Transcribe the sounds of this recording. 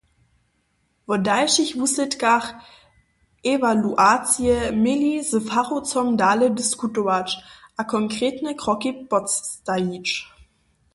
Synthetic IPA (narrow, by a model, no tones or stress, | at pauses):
vɔdaɪʃɪçvusətɡaχ | ʔevaluʔaːt͡siəmelizəfaʁot͡sɔmdaːlədəskutoat͡ʃʔakʰɔŋkʁ̥eːtnəkʁ̥ɔkibɔt͡sːtait͡ʃ